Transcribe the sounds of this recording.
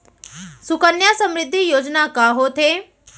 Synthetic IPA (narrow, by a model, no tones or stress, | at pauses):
sʊkənjasə̃mɾɪd̪ʱːijoːd͡ʒnakaːɦoːt̪ʰe